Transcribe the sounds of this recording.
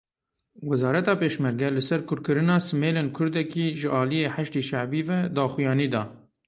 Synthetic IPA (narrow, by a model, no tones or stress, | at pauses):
wɛzɑːɾɛt̪ɑːpeːʃmɛɾɡɛlɨsɛɾkʰʊɾkɨɾɨnɑːsɨmeːleːnkʰʊɾd̪ɛkiːʒɨʔɑːlijeːħaʃt̪iːʃaʕbiːvɛd̪ɑːxujɑːniːd̪ɑː